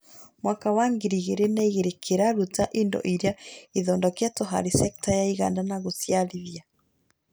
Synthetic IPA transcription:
mwakawaŋɡiɾiɣeɾenaiɣeɾekʰeɾaɾutaʔendɔ̰ʔiɾeaiðɔːndɔkeatɔɦa̰ɾisɛktajaiɣa̰ːndanaɣosjaliðja

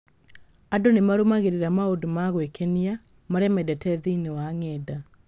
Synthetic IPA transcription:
adonemaɾomaɣeɾeɾamaodomaɣwekʰɛnia | maɾɛmɛdɛtɛðiinewaŋɛda

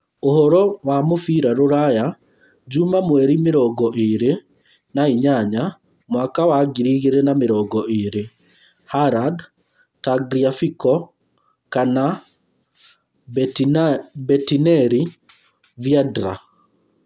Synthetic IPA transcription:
ohɔɾɔwamofiɾaɾoɾaja | d͡ʑumamwɛɾimeɾɔɡɔʔeɾe | naiɲaɲa | mwakawaɡiɾiɣeɾɛnameɾɔɡɔʔeɾe | haɾad | taɡɾiafikɔ | kana | bɛtinɛɾi | viadɾa̰

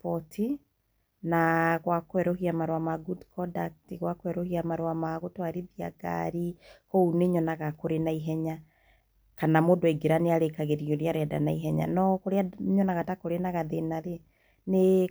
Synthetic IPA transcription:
pɔtʰi | naɣwakoɛɾɔɦiamaɾowamaɡudkɔdaktiɣwakoɛɾɔhiamaɾwamaɣotwaɾiðia̰ɡa̰ɾikouneɲɔnaɣakoɾenaiɦɛɲa | kanamodoeɡeɾaneaɾekaɣeɾioɾeaɾɛada̰naiɦɛɲa̰nɔkoɾeaɲɔnaɣatakoɾenaɣaðenaɾe | ne

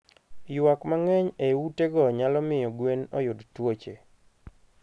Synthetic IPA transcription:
jwakmaŋɛɲewuteɡɔɲalɔmɪjɔɡwenɔ̰jʊdtwot͡ʃe

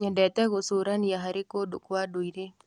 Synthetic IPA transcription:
ɲɛndɛt̪ɛɣosoɾanjaɦaɾekodokwadoiɾe

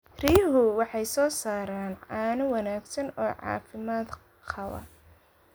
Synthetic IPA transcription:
rijɦʊwɑħɑjsɔːsaːɾaːnʕɑːnʊwɑnaːɡsɐnɔːʕɑ̰ːfɪmaːd̪ | qɑwɐ̰

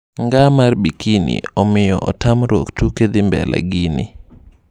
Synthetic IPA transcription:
ŋɡamarbikinḭɔmɪjɔʔɔtamɾwo̰ktuked̪imbɛ̰la̰ɡinḭ

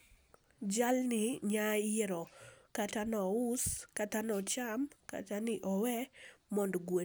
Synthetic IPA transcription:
d͡ʒalnɪɲajeɾɔkatanɔuskatanɔt͡ʃamka̰tanɪʔɔwɛmɔndɡwe

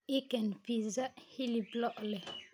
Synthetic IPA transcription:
ikɛnpizahiliblɔʔlɛ

